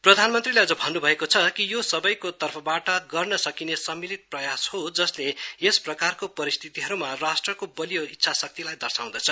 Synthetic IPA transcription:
prʌd̪ʱanmʌnt̪rileʌd͡zʌbʱʌnːubʱʌekot͡sʰʌkijosʌbʌjkot̪ʌrpʰʌbaʈʌɡʌrnʌsʌkinesʌmːilit̪̚prʌjashod͡zʌsleesprʌkarkopʌɾist̪ʰit̪iɦʌɾumarasʈrʌkobʌlijoitːsʰasʌk̚t̪ilajd̪ʌrsaw̃d̪ʌt͡sʰʌ

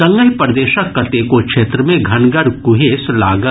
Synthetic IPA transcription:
ɐ̃ŋɡəɦpɐɾd̪eːʃəkːɐt̪eːkokʃeːt̪ɾəmẽɡʱɐnɡəɾkʊɦeːslaːɡə

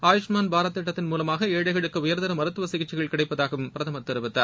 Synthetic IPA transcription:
aːjɪʂmaːnbʱaːɾɐt̪ːɪʈːɐt̪ːɪnmuːlɐmaːɣɐeːɽɐɪɣɐɭɯkːɐʊjɐɾnd̪ɐɾɐmɐɾɯt̪ːɯʋɐsɪɣɪt͡ʃːɪɣɐɭkɪɽɐɪpːɐðaːɣɐmpɪɾɐðɐmɐt̪ːɐɾɯʋɯt̪ːa̰ːɾ

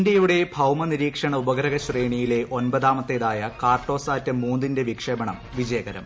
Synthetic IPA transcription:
ndjɐjuɽe̞bʱɐwmɐniɾiːkʂɐɳɐubɐɣɐɾɐɣɐɕreːɳijile̞ʔo̞nbɐðaːmɐt̪ːeːðaːjɐkaːrʈo̞ːsaːtːɐmːuːnd̪inde̞ʋikʂɐbɐɳɐmʋid͡ʑɐjɐɡɐɾɐ̰m

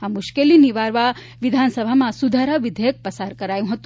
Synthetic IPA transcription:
amʊʃkeliniʋaɾʋa | ʋid̪ʱansəbʱamãsud̪ʱaɾəʋid̪ʱejək̚pəsaɾkəɾajũɦət̪ũ

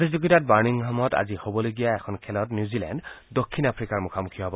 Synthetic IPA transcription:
tizuɡitat̚baɹniŋɦamɔta̰zihobɔloɡijaɛkʰɔnkʰɛlɔtnjuzilɛ̰nddokʰːinapʰɹikaɹmukʰamukʰijɔɦɔbɔ

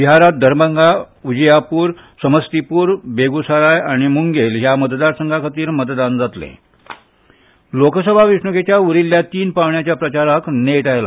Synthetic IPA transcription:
ʋiɦaɾat̪̚d̪ʱəɾməŋɡa | ud͡ʑəjapuːɾ | səməst̪ipuːɾbeɡusaɾajaɽ̃imuŋɡelɦjamət̪d̪aɾsəŋɡakʰət̪iːɾmət̪d̪and͡zat̪lḛ̃ | lokəsəbʱaʋiʂɳuket͡ɕjauɾilːjat̪iːnpaʋɳjat͡ɕjapɾət͡ɕaɾakneʈajla̰

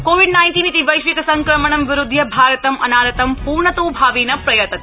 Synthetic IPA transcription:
koːʋiɖnaːjnʈiːnit̪iʋɐjʃʋikɐsɐŋkɾɐmɐɳ̃ɐmʋɪɾʊd̪ʱjɐbʱaːɾɐt̪ɐmʔɐ̰naːɾɐt̪ɐmpuːɾɳɐt̪oːbʱaːʋiːnɐpɾɐjɐt̪ɐt̪

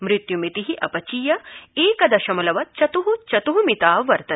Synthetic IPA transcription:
mɾɪt̪jumit̪iɦiʔɐpɐt͡ʃiːjɐeːkɐd̪ɐʃɐmɐlɐʋɐt͡ʃɐt̪uɦut͡ʃɐt̪uɦumit̪aːʋɐɾt̪ɐ

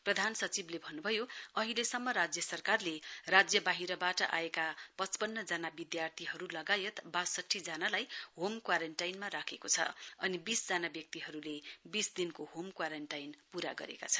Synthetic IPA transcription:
prʌd̪ʱansʌt͡siblebʱʌnːubʱʌjoʌɦilesʌmːʌɾad͡zjʌsʌrkarlerad͡zjʌbaɦiɾʌbaʈʌʔa̰ekapʌt͡spʌnːʌd͡zanabid̪jart̪ʰiɦʌɾulʌɡajet̪bassʌʈʰːid͡zanalajɦomkwaɾeɳʈajnmaɾakʰekot͡sʰʌ̰ʌnibisd͡zanabjʌk̚t̪iɦʌɾulebisd̪inkoɦomkwaɾeɳʈajnpuɾaɡʌ̰ɾḛka̰t͡sʰʌ̥

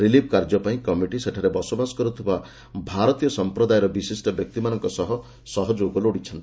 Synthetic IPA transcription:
ɾilibʱkaɾd͡ʒɔpaĩkɔmiʈiseʈʰaɾebɔsɔbasɔ̥kɔɾut̪ʰiba | bʱaɾɔt̪ijɔsɔmpɾɔd̪ajɔɾɔbisisʈɔbjɔk̚t̪imanɔŋkɔsɔɦɔ | sɔɦɔd͡ʒoɡɔloɽit͡ʃʰɔnt̪i

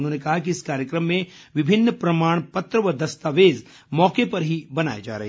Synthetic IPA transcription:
nɦõːnekɐɦakiɪskaːɾjəkɾəmːẽ | ʋɪbʱɪnːpɾɐmaːɽ̃pɐt̪ɾəʋɐd̪ɐst̪aːʋeːz | mɔːkepɐɾɦibɐna̰ːed͡ʒa̰ːɾɐ̰ɦe

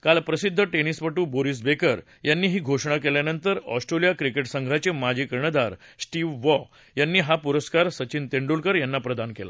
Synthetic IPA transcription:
kalpɾəsid̪ʱːəʈenispəʈuːboɾis̬bekəɾ | janːiːɦiːɡʱoʂɳ̃ak̬eljanənt̪əɾɔ̰sʈɾelijakɾikeʈsəŋɡʱat͡ɕemad͡ʑʱikəɾɳəd̪aɾsʈiʋːɔ | janːiːɦapuɾəskaɾsət͡ɕint̪eɳɖulkəɾjanːapɾəd̪ankela̰

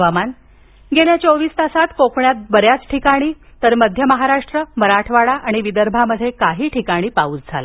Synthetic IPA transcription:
ʋaman | ɡeɳjat͡ɕoʋiːst̪asat̪kokɳjat̪̚bəɾjat͡sʈʰikaɽ̃iːt̪əɾməd̪ʱjəməɦaɾaʂʈɾəməɾaʈʰʋaɭaʔaɽ̃iʋid̪əɾbʱaməd̪ʱːjekaɦiːʈʰikaɽ̃iːpauːt͡sd͡zʱala

